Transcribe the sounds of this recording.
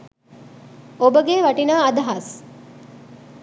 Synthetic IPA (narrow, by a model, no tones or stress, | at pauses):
obəɡeʋaʈinaːd̪aɦɐs